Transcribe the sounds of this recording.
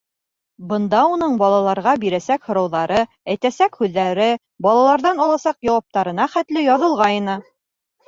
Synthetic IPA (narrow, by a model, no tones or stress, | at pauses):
bɤ̆nd̪ɑunɤɴbɒlˠɑlˠɑɾʁɑbiɾæsækhŏɾɤ̆wðɑɾɤ | æjt̪æsækhʉðːæɾɘ | bɒlˠɑlˠɑɾðɑnɒlˠɑsɑqjɒwɑp̚t̪ɑɾɤ̆n̪ɑχæt̪lɘjɑðɤ̆lˠʁɑjɤnɤ